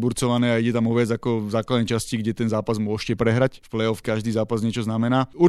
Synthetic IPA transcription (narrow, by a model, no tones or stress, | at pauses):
buɾt͡sɔʋanɛːaiɟɛt̪amɔʋɪad͡zakɔvzaːklad̪ɛjt͡ʃasciɡɟɛt̪ɛnzaːpazmʊɔʃcɛpɾɛɦɾacfplɛɔfkaʒd̪iːzaːpazɲɛt͡ʃɔznamɛnaːu